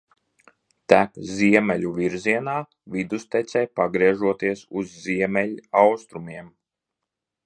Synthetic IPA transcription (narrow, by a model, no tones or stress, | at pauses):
t̪ækziɛmɛlʲuviɾziɛnaː | vid̪ust̪ɛt̪sʲɛːpaɡɾiɛʒuɔt̪iɛsuzːiɛmɛlʲiawst̪ɾumiɛm